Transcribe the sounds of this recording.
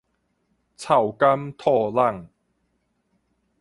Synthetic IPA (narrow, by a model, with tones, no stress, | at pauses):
t͡sʰa˨˩wka˦˥mt̪ʰɔː˥˧la˥˧ŋ